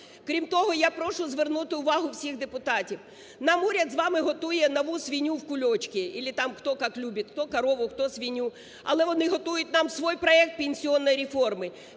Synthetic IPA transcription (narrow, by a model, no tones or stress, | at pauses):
kɾʲimt̪ɔɦɔjapɾɔʃʊzʋernut̪ɪʊʋɑɦʊwsʲixd̪epʊt̪ɑtʲiw | nɑmuɾʲɐd̪zʋɑmɪɦɔt̪ujɛnɐʋusʋʲinʲuwkʊlʲɔt͡ʃkʲɪilʲɪt̪ɑmxt̪ɔkɑklʲubʲit̪kt̪ɔkɐɾɔʋʊxt̪ɔsʋʲijnʲːu | ɐ̰lˠɛʋɔnɪɦɔt̪ujʊtʲnɑmsʋɔjpɾɔɛk̚t̪̚pʲenʲsʲiɔnːɔjɾʲefɔrmɪ